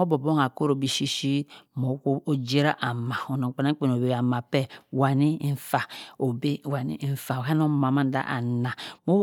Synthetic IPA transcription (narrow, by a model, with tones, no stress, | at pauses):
mo˦bo˨bo˦ŋa˨ko˦ɾo˨bi˦ʃi˦ʃi˦mo˨˦o˦d͡ʒe˦ɾa˦ʔa˨ma˨o˨no˨k͡pna˦k͡pe˨n˨o˨be˨a˨ma˨pɛ˦wa˨ni˦n̩˦fa˨o˨be˦˨wa˨nḭ˦n̩˦fa˨ka˦n˦o˦ma˨ma˦n˦da̰˦ʔa̰˨na˨mo˦